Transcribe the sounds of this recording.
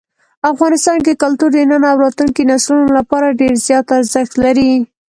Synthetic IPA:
afɣɑnɪst̪ɑnkekalt̪uɾd̪ənanɑwɾɑt̪uŋkinaslunolapɑɾaɖeɾzjɑt̪aɾzɪxt̪laɾi

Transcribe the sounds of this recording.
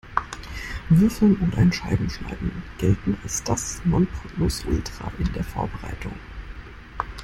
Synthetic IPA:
vɪɐfl̩nʊntʔaɪnʃaɪbm̩ʃna̰ɪbm̩ɡ̥ɛltn̩alsd̥asnɔnplʊsʔʊltʁ̥a̰ʔɪndeːɐfo̰ːɐbəʁa̰ɪtʰʊ̰ŋ

